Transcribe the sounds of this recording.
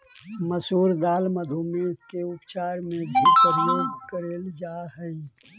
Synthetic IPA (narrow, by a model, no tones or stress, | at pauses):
məsuːɾd̪aːlməd̪ʱomekeʊpt͡ʃaːɾmẽbʱitəɾjoːɡkəɾeːld͡ʒaːɦɛi